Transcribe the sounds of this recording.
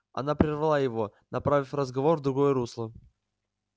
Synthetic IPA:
ɐ̰napɾʲɪrvɐlˠajɪvo̞nɐpɾavʲɪfrəzɡɐvo̞rvd̪ɾʊɡojəɾuslˠə

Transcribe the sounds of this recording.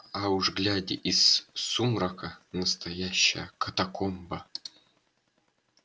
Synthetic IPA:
auʐɡlʲadʲɪ̰ʔissumɾakənɐst̪ɐjaɕːɐ̰jə̰kʰɐt̪ɐkʰombə

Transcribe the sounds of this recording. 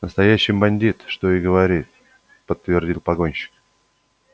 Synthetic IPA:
nəst̪ɐjæɕːɪjbɐnʲdʲit̪ʂt̪o̞ɪɡəvɐɾʲit̪̚ | pət̪ːvʲɪrdʲilˠpɐɡo̞nʲɕɪ̥k

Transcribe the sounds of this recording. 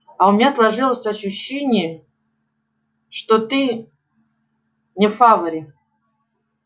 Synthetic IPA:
ɐʊmʲɪnʲaslˠɐʐɨlˠəsʲɐɕːʊɕːenʲɪjə | ʂt̪ot̪ɨ | nʲɪfavəɾʲɪ

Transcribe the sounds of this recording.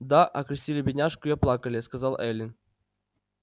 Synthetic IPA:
d̪aʔɐkɾʲɪsʲtʲilʲɪbʲɪnʲaʂkʊiaplˠɑkəlʲɪskɐzɑlˠɛlʲɪn

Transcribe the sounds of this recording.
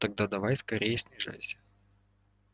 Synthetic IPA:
t̪ɐɡ̚d̪ad̪ɐvajskɐɾʲejəsʲnʲɪʐa̰jsʲə̥

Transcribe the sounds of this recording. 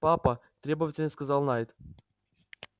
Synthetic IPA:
papət̪ɾʲe̞bəvətʲɪlʲnəskɐzɑlˠnajt̪

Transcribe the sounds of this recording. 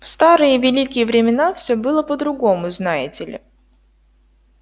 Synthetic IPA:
fst̪aɾɨjəvʲɪlʲikʲɪjəvɾʲɪmʲɪnafsʲɵbɨlˠəpəd̪ɾʊɡo̞mʊznajɪtʲɪlʲɪ̰

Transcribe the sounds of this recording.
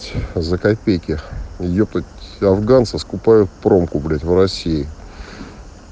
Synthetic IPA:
tʲzəkɐpʲejkʲɪjop̚t̪ətʲɐvɡant̪səskʊpajʊt̪̚pɾo̞mkʊblʲætʲvrɐsʲiɪ

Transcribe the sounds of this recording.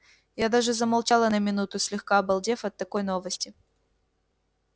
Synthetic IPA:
jad̪aʐɨzəmɐlˠt͡ɕalˠənəmʲɪnut̪ʊsʲlʲɪxkaɐbɐlˠdʲe̞fɐt̪ːɐkojnovəsʲtʲɪ

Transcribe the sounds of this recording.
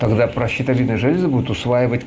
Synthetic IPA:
t̪ɐɡd̪apɾəɕːɪt̪ɐlʲinəjəʐɛlʲɪzɨbud̪ʊt̪ʊsvajɪvətʲ

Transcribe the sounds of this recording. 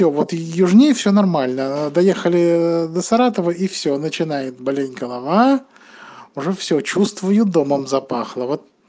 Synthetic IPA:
ovot̪jʊʐnʲejfsʲonɐrmalʲnəd̪ɐjexəlʲɪd̪əsɐɾat̪əvəifsʲonət͡ɕɪnajɪt̪̚bɐlʲenʲɡəlˠɐva | ʊʐɛfsʲɵt͡ɕust̪vʊjʊd̪o̞məmzɐpaxlˠəvo̞t̪̚

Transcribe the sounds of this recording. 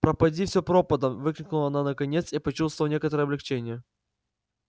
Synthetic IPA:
pɾəpɐdʲifsʲopɾo̞pəd̪əmvɨklʲɪknʊlˠəɐnanəkɐnʲet̪sipɐt͡ɕust̪vəlˠnʲe̞kət̪əɾəɛːɐblʲɪkt͡ɕenʲɪjə

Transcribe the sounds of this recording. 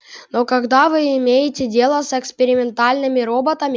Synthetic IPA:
no̞kɐɡd̪avɨɪmʲejɪtʲɪdʲe̞lˠəsɛkspʲɪɾʲɪmʲɪnt̪alʲnɨmʲɪɾobət̪əmʲɪ

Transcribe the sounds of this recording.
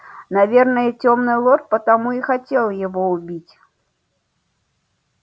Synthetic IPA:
navʲɛrnɐjɛt͡sʲɔmnɨlˠɔt̪pɐt̪amuixat͡sʲɛlˠjaɣɔubʲit͡sʲ

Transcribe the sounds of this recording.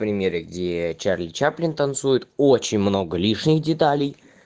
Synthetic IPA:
pɾʲɪmʲeɾʲəɡdʲet͡ɕarlʲɪt͡ɕaplʲɪnt̪ɐnt̪sujɪt̪ot͡ɕɪnʲmno̞ɡəlʲiʂnʲɪxdʲɪt̪alʲɪj

